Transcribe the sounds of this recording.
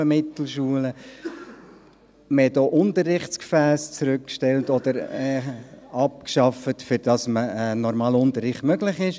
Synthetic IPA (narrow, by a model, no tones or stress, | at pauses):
əmɪt̪l̩ʃuələ | məhɛtoːʔʊntərːɪχtskfæːst͡sɾʉkkʃtɛltɔd̥̪əɾɛɑp̚kʃɑfətfʏɾd̥ɑsməənɔɾmɑːlʊnt̪ərɪχtmœɡlɪχɪʃ